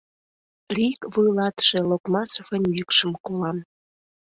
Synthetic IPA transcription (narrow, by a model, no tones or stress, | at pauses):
rikβujlɑt̪ʃe̽lokmɑsofənjykʃəmkolɑm